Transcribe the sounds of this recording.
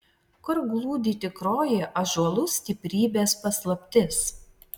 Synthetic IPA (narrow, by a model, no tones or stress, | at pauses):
kʊɾɡlˠuːd̪ʲiːt̪ʲɪkɾoːjeʔɐʒuɐlˠʊsʲt̪ʲɪpʲɾʲiːbʲeːspɐslˠɐpʲt̪ʲɪs